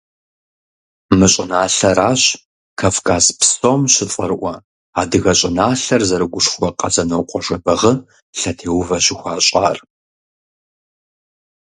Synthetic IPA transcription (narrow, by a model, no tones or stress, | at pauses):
mɨɕʼɪnaːɬɐɾaːɕ | kʰɐfkʰʼaːspsomɕɪtʼɐrɨʔʷɐ | aːdɨɣɐɕʼɪnaːɬɐrzɐɾɨɡʷʊʂxʷɔqʼɐzɐnɐwqʷʼɔʐɐbɐʁə | ɬɐtʰeːwvɐɕɪxʷaːɕʼa̰ːr